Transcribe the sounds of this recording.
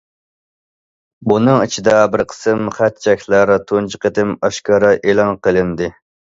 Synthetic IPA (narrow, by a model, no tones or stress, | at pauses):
bunɨŋit͡ʃʰid̪ɑbɪɾqʰə̥sɨmχæt̪̚t͡ʃʰɛkʲlˠæɾt̪ʰont͡ʃʰiqət̪ɪmɑʃkʰɑɾɑʔelˠɑnqəlˠɨnd̪ɨ